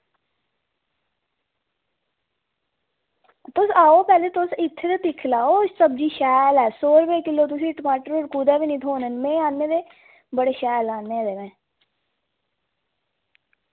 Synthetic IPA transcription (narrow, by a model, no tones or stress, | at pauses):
t̪ʊsaːoːpɛːleːt̪ʊsɪt̪ʰːeːt̪at̪ɪkʰlaːoːsəb̚d͡ʒiːʃɛːlɛːsoːɾʋeːkɪloːt̪̬ʊs̬ĩːʈəmaːʈəɾoːɾkuːd̪ɛːʋiːnĩːt̪ʰoːnənmẽːaːnːẽːd̪eː | bəɽeːʃɛːlaːnːẽːd̪eːʋẽː